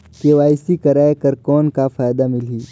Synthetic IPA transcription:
keʋaːɪsikɐɾaːjkəɾkɔːnkafaːjd̪amɪliː

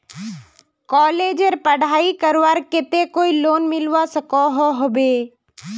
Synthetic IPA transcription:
kɔːleːd͡ʒeɾpəɽ̤ʱaːikəɾwaːɾkɪt̪ekoːiloːnmɪlwasɐkɔɦoɦobeː

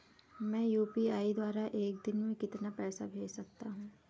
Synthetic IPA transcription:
mɛ̃ːjuːpiaːid̪waːɾaʔeːk̚d̪ɪnmẽkɪt̪napɛːsa̰bʱeːd͡ʒsɐk̚t̪aɦũː

